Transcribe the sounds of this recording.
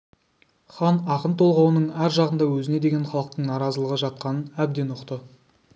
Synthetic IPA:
χɑnɑqənt̪ʰo̞lˠʁɑwənəɴæɾʒɑʁənd̪ɑwɵzɪne̞d̪e̞ɡʲe̞nχɑlˠəq̚t̪əɴnɑɾɑzəlˠəʁəʒɑt̪̚qɑnənæb̚d̪e̞nʊqt̪ə

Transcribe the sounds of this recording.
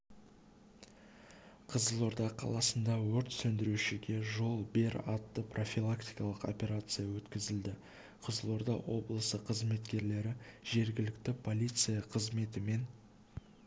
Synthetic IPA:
qʰəzəlˠo̞ɾd̪ɑqʰɑ̰lˠɑsənd̪ɑwɵɾt̪sɵnd̪ɪɾuʃɪɡʲe̞ʒo̞lˠbe̞ɾɑt̪ːəprʔo̞fʲilˠakt̪ijkɑlˠəqo̞̰pʲe̞ɾat̪sɨjawɵt̪kʲɪzɪld̪ɪ | qʰəzəlˠo̞ɾd̪ɑwo̞blˠəsəqʰəzme̞t̪kʲe̞ɾle̞ɾɪʒ̥e̞ɾɡʲɪlɪk̚t̪ɪpʰo̞lʲijt̪sɨjɑqʰəzme̞t̪ɪme̞n

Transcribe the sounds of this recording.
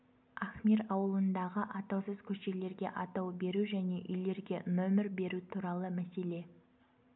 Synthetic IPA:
aχmiɾɑwəlˠənd̪ɑʁəʔɑt̪ɑwsəzkʲʰɵʃe̞le̞ɾɡʲe̞̰ʔɑt̪ɑwbe̞ɾuʒæne̞ʔʏjle̞ɾɡʲe̞nɵmɪɾbe̞ɾut̪ʰuɾɑlˠəmæse̞le̞

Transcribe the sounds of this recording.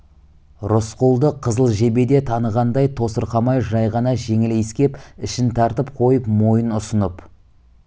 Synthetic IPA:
ɾʊsqulˠd̪əqʰəzəlˠʒe̞be̞d̪et̪ʰɑnəʁɑnd̪ɑjt̪ʰo̞səɾqɑmɑjʒɑjʁɑnɑʒe̞ŋɪleskʲe̞pɪʃɪnt̪ʰɑɾt̪əpqʰo̞jəpmo̞jənʊsənəp

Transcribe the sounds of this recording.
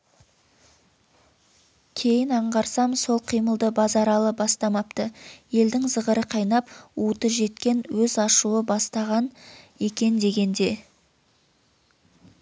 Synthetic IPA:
kʲʰe̞jɪnɑɴʁɑɾsɑmso̞lˠqʰijməlˠd̪əbɑzɑɾɑlˠəbɑst̪ɑmɑp̚t̪əje̞ld̪ɪŋzəʁəɾəqʰɑjnɑput̪əʒe̞t̪̚kʲe̞nwɵzɑʃuwəbɑst̪ɑʁɑne̞kʲe̞nd̪e̞ɡʲe̞nd̪e̞

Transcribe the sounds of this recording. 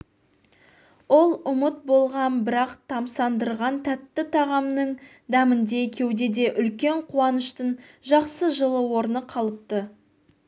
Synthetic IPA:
wo̞lˠʊmət̪̚bo̞lˠʁɑnbɪɾɑqt̪ʰɑmsɑnd̪əɾʁɑnt̪ʰæt̪ːɪt̪ʰɑʁɑmnəɴ | d̪ɑmənd̪e̞kʲʰe̞wd̪e̞d̪e̞ʔʏlkʲe̞ɴqʰuwɑnəʃt̪ənʒɑqsəʒəlˠəwo̞ɾnəqʰɑlˠəp̚t̪ə

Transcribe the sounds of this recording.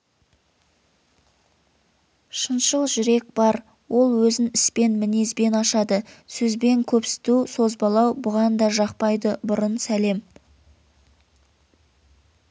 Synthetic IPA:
ʃənʃəlˠʒʏɾe̞k̚b̥ɑɾ | wʔo̞lˠwɵzɪnɪspe̞nmɪnezbe̞nɑʃɑd̪əsɵzbe̞ŋkʲʰɵpsɪ̥t̪uso̞zbɑlˠɑwbʊʁɑnd̪ɑʒɑqpɑjd̪əbʊɾənsæle̞m

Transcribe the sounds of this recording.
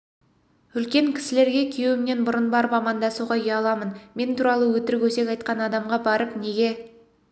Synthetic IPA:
ʏlkʲe̞ŋkʲʰɪ̥sɪle̞ɾɡʲe̞kʲʰejwɪmne̞nbʊɾənbɑɾəpɑmɑnd̪ɑsuʁɑjeɑlˠɑmənme̞nt̪ʰuːɾɑlˠəwɵt̪ɪɾɪkʲwɵse̞kʲɑjt̪̚qɑnɑd̪ɑmʁɑbɑɾəpne̞ɡʲe̞

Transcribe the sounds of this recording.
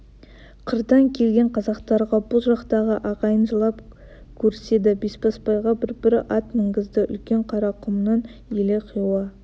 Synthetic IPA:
qʰəɾd̪ɑŋkʲʰe̞lɡʲe̞ɴqʰɑzɑqt̪ɑɾʁɑbʊlˠʒɑqt̪ɑʁəʔɑʁɑjənʒəlˠɑp | kʲʰɵɾse̞d̪ɪbespɑspɑjʁɑbɪɾbɪɾɪʔɑt̪mɪŋɡʲɪzd̪ɪʔʏ̰lkʲe̞ɴqʰɑɾɑqʰʊmnɑn | eleqʰijwɑ

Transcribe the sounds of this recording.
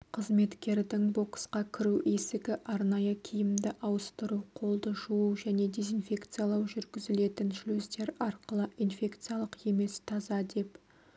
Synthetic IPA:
qʰəzme̞t̪kʲe̞ɾd̪ɪŋbo̞ksqɑkʲʰɪɾuʔesɪɡʲɪʔɑɾnɑjəkʲʰijɪmd̪ɪʔɑwəst̪əɾuwqʰo̞lˠd̪əʒuuwʒæne̞d̪e̞zinfʲe̞kt̪sɨjalˠɑwʒʏɾɡʲɪzɪle̞t̪ɪnʃlysd̪e̞ɾɑɾqəlˠəʔinfʲe̞kt̪sɨjalˠəqe̞me̞st̪ʰɑzɑd̪e̞p

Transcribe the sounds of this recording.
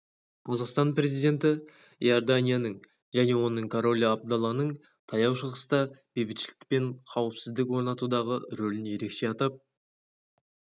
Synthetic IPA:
qʰɑzɑqst̪ɑnpɾe̞zijd̪ʲe̞nt̪ɪ | j̰ord̪anʲijanəɴ | ʒæne̞wo̞nːəɴkʰoɾo̞lʲab̚d̪ɑlˠɑnəɴ | t̪ʰɑjɑwʃəʁəst̪ɑb̥e̞jbɪt̪ʃɪlɪk̚pe̞ɴqʰɑwəpsɪzd̪ɪkwo̞ɾnɑt̪ud̪ɑʁəɾɵlɪnje̞ɾe̞kʃe̞ɑt̪ɑp̚

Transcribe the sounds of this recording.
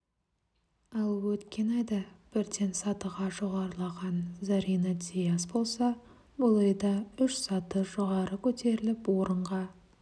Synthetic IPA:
ɑlˠwɵt̪kʲe̞nɑjd̪ɑb̥ɪɾd̪e̞nsɑt̪əʁɑʒoʁɑɾəlˠɑʁɑnzɑɾinɑt̪ʲʰijasbo̞lˠsɑ | bolˠɑjd̪ɑʏʃsɑt̪əʒoʁɑɾəkʲʰɵt̪ʰe̞ɾɪlɪpwo̞ɾəɴʁɑ

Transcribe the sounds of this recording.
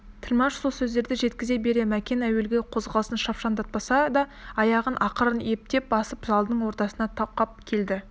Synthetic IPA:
t̪ʰɪlʲmɑʃsolsɵzd̪e̞ɾd̪ɪʒe̞t̪kʲɪzebe̞ɾe̞mækʲe̞næwe̞lɡʲe̞qʰo̞zʁɑlˠəsənʃɑpʃɑnd̪ɑt̪̚pɑsɑd̪ɑɑjɑʁənʔɑqəɾəne̞p̚t̪e̞p̚bɑsəpzɑlˠd̪əɴwo̞ɾt̪ɑsənɑt̪ʰɑqɑp̚kʲʰe̞ld̪ɪ

